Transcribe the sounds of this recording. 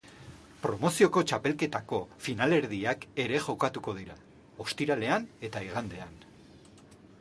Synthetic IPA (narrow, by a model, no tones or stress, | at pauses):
pɾo̞mo̞sio̞ko̞t͡ʃape̞lke̞t̪ako̞finale̞ɾðiake̞ɾe̞ʝo̞kat̪uko̞ð̞iɾa | o̞st̪iɾale̞ane̞t̪aiɣ̞and̪e̞an